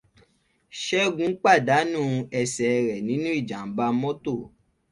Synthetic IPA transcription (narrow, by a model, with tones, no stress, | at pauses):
ʃɛ˦ɡũ˨˦k͡pa˦˨da˨˦nũː˦˨˧ɛ˧sɛ˨˧ɾɛ˨nĩ˨˦nũ˦i˦˨d͡ʒa˨m̩˨˦ba˧˦mɔ̃˦to˦˨